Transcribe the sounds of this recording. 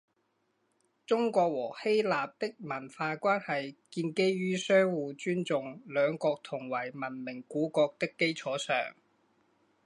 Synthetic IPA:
t͡sʊ˥ŋkʷɔː˧k̚wɔː˨˩he˥jlaː˨p̚t̪ɪ˥k̚mɐ˨˩nfaː˧kʷaː˥nhɐ˨jkiː˧nke˥jɥyː˥sœː˥ŋwuː˨˧t͡ʃyː˥nt͡sʊ˨ŋlœː˨˧ŋkɔː˧k̚t̪ʰʊ˨˩ŋwɐ˨˩jmɐ˨˩nmɪ˨˩ŋkuː˨˥kɔː˧k̚t̪ɪ˥kːe˥jt͡ʃʰɔː˨˥sœ̰ː˨˩ŋ

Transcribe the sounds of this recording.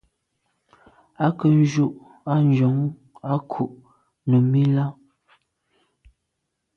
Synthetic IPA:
a˦kə˨n̩˦d͡ʒu˦ʔ | a˦n˦˨d͡ʒo˨˦ŋ | a˦kʰu˨ʔ | nu˨mi˦la˦

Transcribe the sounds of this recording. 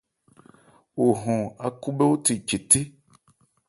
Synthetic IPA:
wo˨ɦɔ̃˨a˨ku˦be˦wo˦t̪i˨t͡ʃe˨t̪i˦

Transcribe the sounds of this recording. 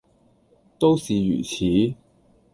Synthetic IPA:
t̪o˥wsiː˨jy̰ː˨˩t͡sʰiː˨˥

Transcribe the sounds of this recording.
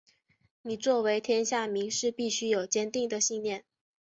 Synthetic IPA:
ni˨˩t͡swɔ˥˩we˧˥ɪt̪ʰjɛ˥nɕja˥˩mi˧˥ŋʂɻ̩˥˧pi˥˩ɕy˥jo˨˩ʊt͡ɕjɛ˥nt̪i˥˩ŋd̪ə˩ɕi˥˧ŋljɛ˥˩n

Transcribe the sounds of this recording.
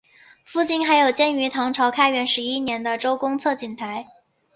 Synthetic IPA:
fu˥˧t͡ɕi˥˩nxa˧˥ɪjo˨˩ʊt͡ɕjɛ˥˩ny˧˥t̪ʰɑ˧˥ŋʈ͡ʂʰɑ˧˥ʊkʰa˥ɪɥɛ˧˥nʂɻ̩˧˥i˥njɛ˧˥nd̪ə˧ʈ͡ʂo˥ʊkʊ˥ŋt͡sʰɤ˥˩t͡ɕi˨˩nt̪ʰa˧˥ɪ

